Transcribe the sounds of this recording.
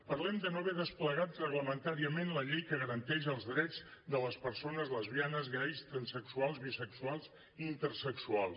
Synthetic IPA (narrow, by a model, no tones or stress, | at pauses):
pəɾlɛmd̪ənoβɛðəspləɣat̪rəɣləmənt̪aɾiəmenləʎejkəɣəɾənt̪ɛʃəəlˠzðɾɛd͡zd̪ələspəɾsonəzləzβjanəzɣajst̪ɾənsəksualˠzβisəksualˠz | int̪əɾsəksualˠs